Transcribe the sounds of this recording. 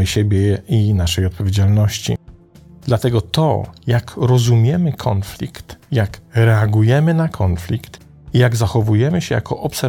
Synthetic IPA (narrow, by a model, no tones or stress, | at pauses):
ɘɕebʲjɛinaʂɛjɔt̪̚pɔvʲjed͡ʑalnɔɕt͡ɕḭ | d̪̥lat̪ɛɡɔt̪ɔ̰jakɾɔzumʲjɛmɘkʰɔnflʲḭkt̪jakɾɛaɡujɛmɘnakʰɔnflʲikt̪ | ijaɡzaxɔvujɛmɘɕɛja̰kʰɔʔɔpsɛ